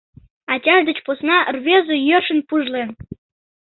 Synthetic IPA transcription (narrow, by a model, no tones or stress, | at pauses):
ɑtʲɑʒd̪ə̆t͡ɕposnɑrβʲezojørʃə̆npuʒlen